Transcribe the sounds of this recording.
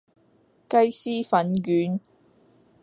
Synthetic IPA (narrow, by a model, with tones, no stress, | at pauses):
kɐ˥jsiː˥fɐ˨˥nkyː˨˥n